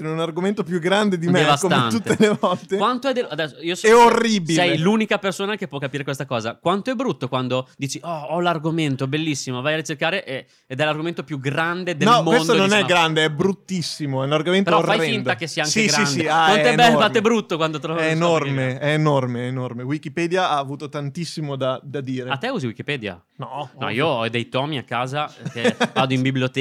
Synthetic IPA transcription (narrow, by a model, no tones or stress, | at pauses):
ɛɛunarɡoment̪opjuɡɾand̪ed̪imɛd̪evasot̪eant̪ut̪ːelemɔlt̪ekwant̪oɛd̪elad̪ɛsːoiosɛorːibiɛjluːnikapersoːnakepːwɔkːapiːɾekwest̪akɔːza̰kwant̪oɛbɾut̪ːokwand̪od̪iːt͡ʃiʔɔɔlarɡoment̪obelːisːimovajaɾrit͡ʃerkaːɾeʔeː | d̪ɛlarɡoment̪opjuɡɾand̪ed̪enlɔmowend̪t̪ononɛɡɾand̪eɛbɾut̪ːisːimoɛunarɡomentpeɾoɔrfajfind̪akesːiaaŋseiɡɾansd̪anonɛbɛlːfat̪ːebɾut̪ːokwand̪ot̪ɾɔvaɛenormeɛːnormeːnormewikipɛd̪jaaːvuːt̪ot̪ant̪isːimod̪ad̪ad̪iːɾeat̪ːɛuːziwikipɛːd̪ja̰ | nɔnɔ̰ḭːoɔd̪ejt̪ɔːmiakːaːzakevaːd̪oimbibljot̪